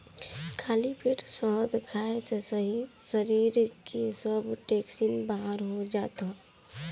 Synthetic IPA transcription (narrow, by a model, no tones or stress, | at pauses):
kʰaːlipʰɪɾsɔɦd̪ɪkʰaːet̪ʰesəɦisəɾiːɾkisəbʈeːksinbaɦəɾɦod͡ʒaːt̪a